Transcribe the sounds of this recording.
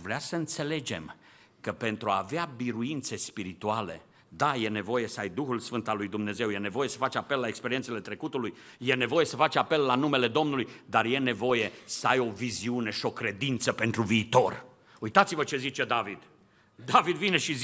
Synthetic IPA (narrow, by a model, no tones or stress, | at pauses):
vɾeasəɨnt̪se̞le̞d͡ʒe̞̰m | kəpe̞nt̪ɾua̰ːveabiɾuint̪se̞spiɾit̪uale̞̰ | d̪aje̞ne̞vo̞je̞səajd̪uxulsfɨnt̪alːujd̪umne̞ze̞wje̞ne̞vo̞je̞sə̥fat͡ʃape̞lːaekspeɾient̪sele̞t̪ɾe̞kut̪uluj | je̞ne̞vo̞je̞səfat͡ʃape̞lːanume̞le̞d̪o̞mnulujd̪arje̞ne̞vo̞je̞səajo̞viziune̞ʃio̞kɾe̞d̪int̪səpe̞nt̪ɾuviːt̪o̞r | ujt̪at̪sivət͡ʃe̞zit͡ʃe̞d̪avid̪̥ | d̪avid̪vine̞ʃiz